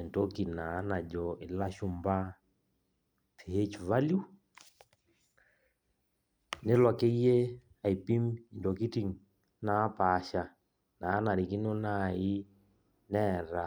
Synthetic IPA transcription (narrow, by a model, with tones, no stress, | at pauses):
nto˦ki˨na˨˦na˨d͡ʒɔ˨ɪ˨la˦ʃu˦mba˦ | tʰe˨he˦t͡ʃva˦lju˦ | ne˦lwa˨ke˦i˦e˦ | a˨i˨pi˦mi˨ndɔ˨ki˦ti˦˨ŋ | na˦pa˦ʃa˨ | na˨˦na˨ɾi˨ki˦nɔ˦na˦i˦ | nɛ˦˨ɾa˨